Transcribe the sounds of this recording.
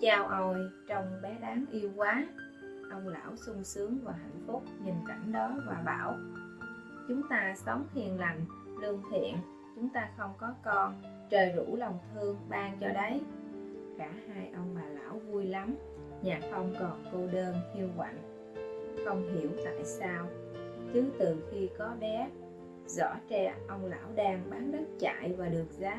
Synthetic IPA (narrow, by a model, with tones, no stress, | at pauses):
t͡ɕaː˧wʔə˧jt͡ɕɔ˧wŋ͡mɓɛ˨˦ɗaː˨˦ŋʔi˧əwkwaː˨˦ | ʔə˧wŋ͡mla̰ː˧˩wsʊ˧ŋ͡msɨ˨˦əŋvaː˨˩ɦa̰˧˨jŋ̟fʊ˦˥k͡p̚ɲi˨˩nka˧˩jŋ̟ɗɔ˨˦vaː˨˩ɓa̰ː˧˩w | t͡ɕʊ˨˦ŋ͡mt̪aː˧sə˨˦wŋ͡mhi˨˩ənla˨˩jŋ̟ | lɨ˧ŋt̪ʰḭ˧˨ən | t͡ɕʊ˨˦ŋ͡mt̪aː˧xə˧wŋ͡mkɔ˨˦kɔ˧n | t͡ɕəː˨˩jzu˧˩lə˨˩wŋ͡mt̪ʰɨ˧əŋɓaː˧ŋt͡ɕɔ˧ɗə˨˦j | kaː˧˩haː˧jʔə˧wŋ͡mɓaː˨˩la̰ː˧˩wvu˧jla˨˦m | ɲaː˨˩xə˧wŋ͡mkɔ˨˩nko˧ɗəː˧nhi˧əwkwa̰˧˨n | xə˧wŋ͡mɦi˧˩əwt̪a̰ː˧˨jsaː˧w | t͡ɕɨ˨˦t̪ɨ˨˩xi˧kɔ˨˦ɓɛ˨˦ | zɔ̰˧˥t͡ɕɛ˧˩ʔə˧wŋ͡mla̰ː˧˥wɗaː˧ŋɓaː˨˦nzə˦˥t̚t͡ɕa̰ː˧˨jvaː˨˩ɗɨ˨˩ək̚zaː˨˦